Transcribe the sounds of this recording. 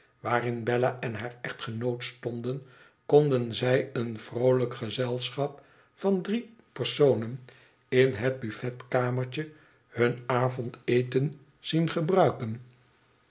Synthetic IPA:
ʋaːrɪnbɛlaʔɛnɦaːɹɛχtχənowtstɔndən | kɔndənzɛjənv̥rowləkχəzɛlˠsχɑp | fɑndri | pəɹsownən | ɪnɦəd̚byfɛtkaːməɹt͡ʃə | hɵnaːvɔntejtən | z̥inχəbrœɥkən

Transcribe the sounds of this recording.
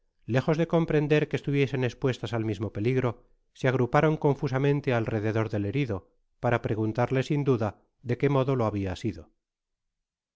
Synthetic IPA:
le̞xo̞zðe̞ko̞mpɾe̞nd̪e̞ɾkeːst̪uβje̞se̞nespwe̞st̪asalmizmo̞pe̞liɣɾo̞ | seaɣ̞ɾupaɾo̞ŋko̞ɱfus̬amẽnt̪e̞alre̞ðe̞ðo̞ɾðe̞le̞ɾiðo̞ | paɾapɾe̞ɣ̞unt̪aɾle̞sind̪uða | ðe̞ke̞mo̞ðo̞lo̞aβ̞iasiðo̞

